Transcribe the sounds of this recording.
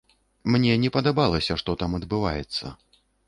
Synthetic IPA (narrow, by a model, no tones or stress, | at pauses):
mnʲɛnʲɛpɐd̪abalˠɐsʲɐʂt̪ɔt̪amɐd̪bɨva̰jɛ̰t̪sːɐ̰